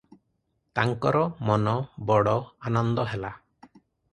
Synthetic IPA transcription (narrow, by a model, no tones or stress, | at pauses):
t̪aŋkɔɾɔmɔnɔbɔɽɔanɔnd̪ɔɦɛla